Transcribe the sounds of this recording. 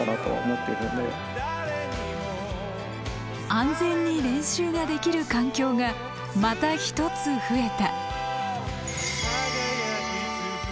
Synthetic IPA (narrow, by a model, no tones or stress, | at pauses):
anat̪o̞̰a̰o̰mo̞t̪ːeɾɯnḛ | ãnd͡zẽ̞ɲ̟ːiɾẽ̞ɰ̃ɕɨːɡad̪e̞kʲiɾɯ̟kãŋkʲo̞ːɡa | mat̪açi̥t̪o̞t͡sɨɸɯ̟e̞t̪a